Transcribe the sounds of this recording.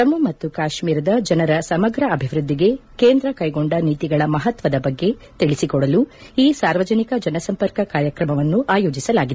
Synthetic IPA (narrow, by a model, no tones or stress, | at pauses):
t̪ɐmːɐmɐt̪ːukaːʃmiːɾɐd̪ɐd͡ʒɐnɐɾɐsɐmɐɡɾɐɐbʱiʋɾud̪ːiɡe̞keːnd̪ɾɐkɐjɡo̞ɳɖɐniːt̪iɡɐɭɐmɐɦɐt̪ʋɐd̪ɐbɐɡːe̞ | t̪iɭisikɔɽɐluiːsaːɾʋɐd͡ʒɐnikɐd͡ʒɐnɐsɐmpɐɾkɐkaːɾjɐkɾɐmɐʋɐnːuʔaːjo̞ːd͡ʒisɐlaːɡid̪e